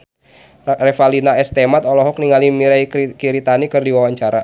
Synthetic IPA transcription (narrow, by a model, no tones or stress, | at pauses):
rɛfalinaɛst̪ɛmat̪ɔlɔɦɔk̚niŋalimiɾajkiɾit̪anikɨrdiwawaɲt͡ʃaɾa